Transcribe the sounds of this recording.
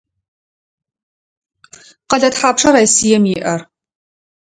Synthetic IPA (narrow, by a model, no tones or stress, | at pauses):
qɐɮɐtħaːpʂɐɾaːjsijɛmjɪʔɐr